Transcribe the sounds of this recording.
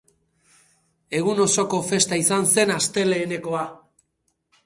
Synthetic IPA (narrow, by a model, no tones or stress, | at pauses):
e̞ɣuno̞so̞ko̞fe̞st̪aisanse̞nast̪e̞le̞ːne̞ko̞a